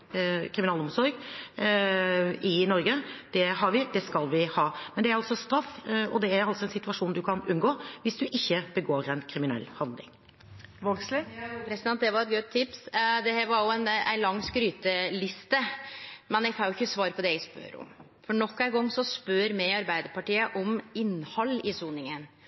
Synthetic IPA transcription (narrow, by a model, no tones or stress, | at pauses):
kʰɾɪmɪnɑːlɔmsɔɾɡ | ɪnɔɾɡəd̪̥ɛɦɑɾʋɪd̪ɛskɑlʋɪhɑːmɛnd̪ɛæɾɑlsɔst̪ɾɑfːɔd̪ɛæɾɑlsɔɛnsɪt̪ʉɑʂuːnd̪ʉkʰɑnʉnɡoːʋɪsd̪ʉʔɪçːəb̥əɡoːɾɛnkʰɾɪmɪnɛ̰lːhɑnd̪lɪ̰ŋ | ʋɔɡslɪɛpʰɾɛsɪd̪ɛnt̪̚d̪ɛʋɑɾɛt̪̚ɡœt̪ʰːɪpsd̪ɛhæɾʋɑɾjʊɛnæ̰ɪnlɑŋːskɾyːt̪əlɪst̪əmɛnjɛɡkʰɑnjʊɪçːəsʋɑːɾəpʰɔd̪ɛɛæɡspø̰ɾɔ̰m | fɔɳɔkːæɪɡɔŋːsɔspøɾmɛɪɑɾbæɪd̪əɾpɑʈiːəʔɔmɪnːhɑlːɪsuːnɪŋən